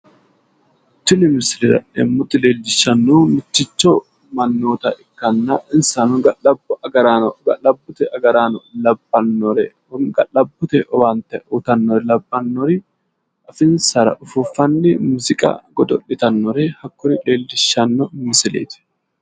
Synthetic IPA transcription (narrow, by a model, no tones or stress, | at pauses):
ɪt͡ʃ̪ːɪnɪmɪsɪlɪɾɐ̰ɛ̰mːʊt̪ːɪleːldɪʃːɐnːoːmɪt͡ʃːɪt͡ʃːɔ | mɐnːoːt̪ɐʔɪkːɐnːɐʔɪnsanʊɡɐlɐbɐɡɐɾaɡɐʔɐbːʊt̪ɛɐɡɐɾaːnɔlɐbːɐnːɔɾɛ | ɡɐlɐbːʊt̪ɛʔɔwɐnt̪ːɛʊt̪ɐnːɔɾɛlɐbːɐnːɔɾɪ | ʔɐfɪnsɐɾɐ̰ʔʊfufːɐnːɪmuzɪkʼɐ̰ɡɔd̪ɔ̰ɗɪt̪ɐnːɔɾɛhɐkːʊɾɪleːldɪʃːɐnːɔmmɪsɪlḛːt̪ɪ̥